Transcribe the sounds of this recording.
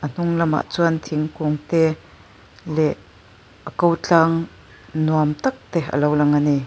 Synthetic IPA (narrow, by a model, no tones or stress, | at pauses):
ʔən̥ʊŋlɐma̰ʔt͡suant̪ʰiŋkuŋt̪ɛ | lɛʔ | ʔəkowt͡ɬaŋ | nuamt̪ak̚t̪ɛʔə̰lowlɐŋani